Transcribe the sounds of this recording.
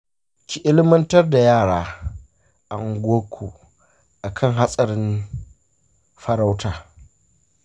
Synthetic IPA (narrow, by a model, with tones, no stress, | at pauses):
kʲi˨ʔɪ˦lɪ˦mɐ˦ntɐ˦rda˨jaː˦˨ɽaː˦ | ʔa˨ŋɡʷoː˦kʷʰoː˨ | ʔa˨kʰɐ˦˨ŋɦa˦sʼɐ˨ɾɪ˦n | ɸɐ˦ɾa˦wtaː˨